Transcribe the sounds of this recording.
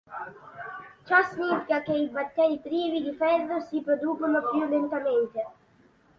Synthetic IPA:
t͡ʃasnit̪kakɛjvat̪ɛjt̪ɾivid̪ifɛðəsipɾɔd̪upəməpjylɛnt̪amɛnt̪ɛ

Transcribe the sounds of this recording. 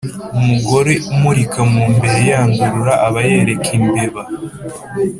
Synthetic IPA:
umuɡo̞ɾeumuɾikʰamuːmbe̞ɾe̞jaːŋɡuɾuɾaʔːβaje̞ɾe̞kʰimbeβa

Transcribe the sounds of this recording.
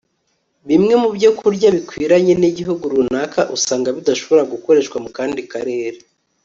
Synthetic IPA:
βimŋe̞mubɟokuɾɟaβikwiːɾaɲe̞niɟiɦuɡuɾunaːkaʔusaːŋɡaβidaʃo̞βo̞ɾaɡuko̞ɾe̞ʃkwamukaːndikaɾe̞ːɾe

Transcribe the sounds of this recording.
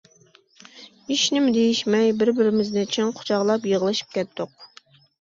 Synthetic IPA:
iʃnɪmd̪ejiʃmɛjbɪɾbɪɾɪmɪznɪt͡ʃʰinqʰʊ̥t͡ʃʰɑʁlˠɑpjəʁəlˠɨʃi̥p̚kʲɛt̪ʰːʊq

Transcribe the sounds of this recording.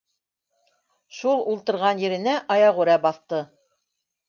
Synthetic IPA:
ʃulˠulˠt̪ɤ̆ɾʁɑnjɘ̆ɾɘ̆næʔɑjɑʁʉɾæbɑθt̪ɤ

